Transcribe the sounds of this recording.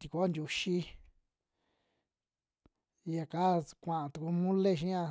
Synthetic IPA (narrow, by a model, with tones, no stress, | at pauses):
t̪i˧ku˧˦nd̪ʲu˧ʃi˦˧ | ja˨ka˦kʷã˨ʔã˧t̪u˧ku˧mũ˦le˦˨ʃ̬ĩ˦ã˧